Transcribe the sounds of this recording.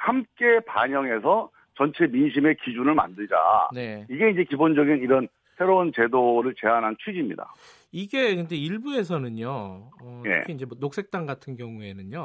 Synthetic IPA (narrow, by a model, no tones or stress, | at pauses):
hamk͈e̞paɲʌŋe̞sʰʌ | t͡ɕʌnt͡ɕʰe̞minɕʰime̞kid͡ʑunɯɭma̰ndɯɭd͡ʑa̰ne̞iɡe̞ind͡ʑe̞kibond͡ʑʌɡiniɾʌn | sʰe̞ɾount͡ɕe̞doɾɯɭt͡ɕe̞ɦanɦant͡ɕʰɥid͡ʑimɲḭda̰ | iɡe̞kɯnde̞iɭbue̞sʰʌnɯɲoʌḛkʰiind͡ʑe̞mwʌnok̚s͈ʰe̞k̚t͈aŋɡatʰɯnɡjʌŋue̞nɯɲjo